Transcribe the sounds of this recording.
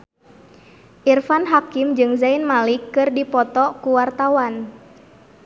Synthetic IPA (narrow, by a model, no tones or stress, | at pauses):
ʔirfanɦakimd͡ʒɨŋzainmalikːɨrdipɔt̪ɔkuwart̪awan